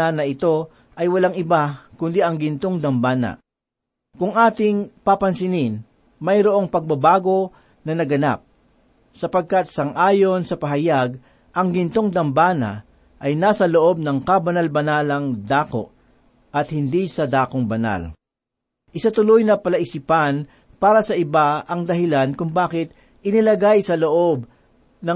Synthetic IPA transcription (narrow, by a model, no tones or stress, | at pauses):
anɐɪt̪o̞ | ʔɐjwɐlaŋɪbakʊnd̪iʔɐŋɡɪnt̪oŋd̪ɐmbaːnɐ̰ | kʊŋʔaːt̪ɪŋpapɐnsɪnɪn | mɐjɾoʔo̞ŋpɐɡ̚bɐbaːɡo̞ | nɐnɐɡɐna̰p̚ | sɐpɐɡ̚kat̪̚sɐŋʔaːjo̞nsɐpɐɦɐjaɡ̚ | ʔɐŋɡɪnt̪o̞ŋd̪ɐmbaːnɐ̰ | ʔɐjnaːsɐloʔo̞b̚nɐŋkabɐnɐlbɐnaːlɐŋd̪aːko̞̰ʔ | ʔɐt̪̚hɪnd̪isɐd̪aːkoŋbɐna̰l | ʔɪsat̪ʊlojnɐpɐlɐʔɪsipan | paːɾɐsɐʔɪbaɐŋd̪ɐɦɪlankʊŋbaːkɪt̪̚ | ʔɪnɪlɐɡajsɐloʔob̚ | nɐ